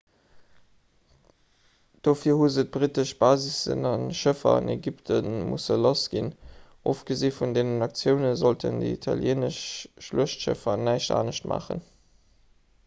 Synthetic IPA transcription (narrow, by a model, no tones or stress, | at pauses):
d̥oːfiːɐhuzət̚b̥ʁitəʃb̥aːzisə̰nɑnʃəfɐ̰ɑ̰neɡiptʰənmṵsəlosɡ̥in | ʔoːfɡ̥əzeːfundeːnənɑk̚t͡sjəʊnəzoltʰə̰ndə̰itʰɑ̰ljeːnəʃʃluəʃtʃə̰fɐnæɪʃta̰ːnəʃtmʔa̰ːχə̰n